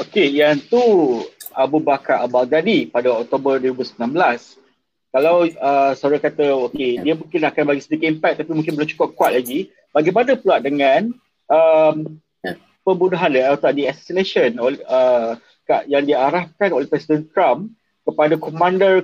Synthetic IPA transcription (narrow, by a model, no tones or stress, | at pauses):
okejant̪u | abubakaabalɡadipadaɔk̚t̪obərdoɾibusəmilãnbəlas | kalawəsaɾaŋkat̪əokediəmũŋkɪnakanbaɡisədikɪt̪impɛk̚t̪ːapimũŋk̬ɪnbələmt͡ʃu̥kʊp̚kwat̪̚laɡi | baɡajmanəpluaʔ̚dəŋãn | əm | pəbudaɦanləat̪aʔdiasɛ̥sinẽʃənolə | kajaŋdiaɾahkanolɛhpɾɛsidənkɾam | kəpadakomãndər